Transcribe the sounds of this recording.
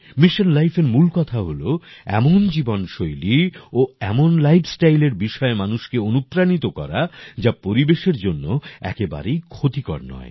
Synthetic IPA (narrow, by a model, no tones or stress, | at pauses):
miʃonlajfʰeɾmulkɔt̪ʰaɦoloɛ̰mond͡ʑibonʃojlioɛmonlajbʰsʈajleɾbiʃɔemanuʃkeonupɾanit̪okɔ̰ɾad͡ʑapoɾibeʃeɾd͡ʑonːoɛ̰keba̰ɾejkʰot̪ikɔ̰ɾnɔ̰e